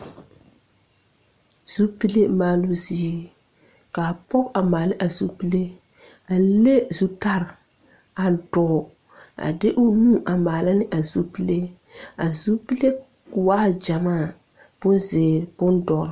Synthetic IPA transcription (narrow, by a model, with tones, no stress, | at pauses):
z̥u˦pi˦le˦maː˦lʊ˦zi˦e˦ | ka˨pɔ˦ka˨maː˨lɪ˦ʔa˨zu˦pi˦le˦ | a˨˦le˦zu˦ta˦ɾ | a˨dɔː˦˨ | a̰˨dɪ˦ʔʊ˦nũ˦ʔa˨maː˨la˦nɪ˦ʔa˨zu˦pi˦le˦a˨zu˦pi˦le˦˨ | waː˦d͡ʒa˨maː˦˨ | b̥ʊ˦nzɪː˨ɾb̥ʊ˦ndɔ˨ɾ